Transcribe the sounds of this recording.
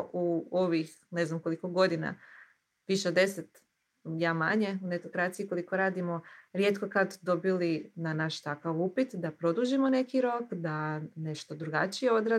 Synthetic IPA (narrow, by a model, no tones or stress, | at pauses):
ʔuoʋix | ne̞znamko̞liko̞ɡo̞d̪ina̰ | ʋiʃed̪ːe̞set̪ | jaːmaɲe̞unet̪okɾat̪sijiko̞likoɾaːd̪imo̞ɾje̞t̪ko̞kad̪d̪o̞bilinanaʃt̪akaʋupit̪d̪apɾo̞d̪uːʒimo̞ne̞kiɾo̞kd̪ane̞ʃt̪od̪ɾuɡat͡ʃijeo̞d̪ɾa